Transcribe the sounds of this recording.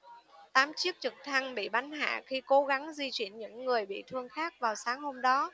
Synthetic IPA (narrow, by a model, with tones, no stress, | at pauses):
t̪aː˨˦mt͡ɕi˦˥ək̚t͡ɕɨ˨˩k̚t̪ʰa˧ŋɓḭ˧˨ɓa˨˦nha̰ː˧˨xi˧ko˨˦ɣa˨˦ŋzi˧t͡ɕwi˧˩ənɲɨ̰˧˥ŋːɨ˨˩əjɓḭ˧˨t̪ʰɨ˧əŋxaː˦˥k̚vaː˨˩wsaː˨˦ŋho˧mɗɔ˨˦